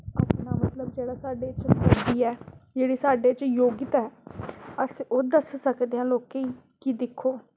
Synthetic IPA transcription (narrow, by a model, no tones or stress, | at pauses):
aːpnaːmət̪ləb̚d͡ʒeːɽaːsaːɖeːt͡ʃbəd̪iːɛːd͡ʒeːɽiːsaːɖeːt͡ʃjoːɡɪt̪ɛːəsoːd̪əssəkd̪eːãːloːkeːiː | kid̪ɪkʰːoː